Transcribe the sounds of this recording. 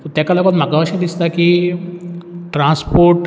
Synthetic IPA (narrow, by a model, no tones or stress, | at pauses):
t̪akalakət̪m̤aɡaəɕad̪ist̪aki | ʈɾãspoɾʈ